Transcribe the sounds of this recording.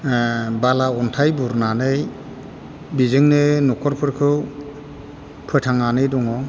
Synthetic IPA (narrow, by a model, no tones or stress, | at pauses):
balaɔntʰajbuɾnanɯj | bizɯŋnɯnɔkʰɔɾpʰɯɾkʰɯw | pʰɯjtʰaŋanɯjdɔŋɔ